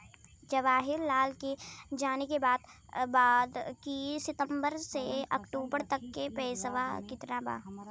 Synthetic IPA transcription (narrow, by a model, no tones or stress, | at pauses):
d͡ʒɐʋaːɦɪɾlaːlked͡ʒaːnekebaːd̪baːd̪kisɪt̪ə̃mbəɾseɐkʈuːbəɾt̪ɐkːepɛːsəʋa̰kɪt̪naba̰ː